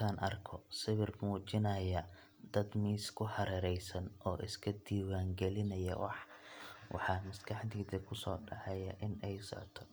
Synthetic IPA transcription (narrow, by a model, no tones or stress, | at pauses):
aːnʔɐrkʰɔsɪβɪrmuːt͡ʃɪnɐjɐ | d̪ɐd̪miːskʰʊħɑɾɛːɾɛjsɐnʔɔːʔɪskʰɐd̪iːwaːŋɡɛlɪnɐjɐ̰wɑ̰ħ | wʔɑ̰ħɑːmɐskʰɑħd̪iːd̪ɐkʰʊsɔːɖɑʕɛjɐʔɪnɛjsɔ̰ʕt̪ʰɔ